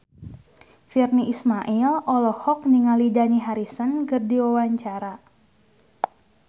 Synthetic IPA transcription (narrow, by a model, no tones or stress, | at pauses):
firniʔismaʔilɔlɔhɔk̚niŋalidaniɦaɾisənkɨrdiwawaɲt͡ʃaɾa